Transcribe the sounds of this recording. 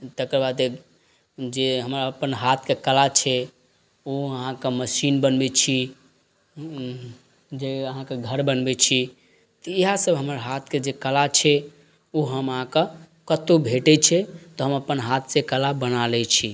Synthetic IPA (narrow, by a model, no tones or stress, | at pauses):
t̪əkəɾbad̪e | d͡ʒeɦəmɾaəpənɦat̪ʰkekəlat͡ʃʰɛ | oəɦãkeməsinbənbɛt͡ʃʰi | d͡ʒeəɦãkeɡʱəɾbənbɛt͡ʃʰi | t̪ɔiɦasəbɦəməɾɦat̪ʰked͡ʒekəlat͡ʃʰɛ | oɦəməɦãkə | kət̪ubʱeʈɛt͡ʃʰɛt̪ɔɦəməpənɦat̪ʰsekəlabənalɛt͡ʃʰi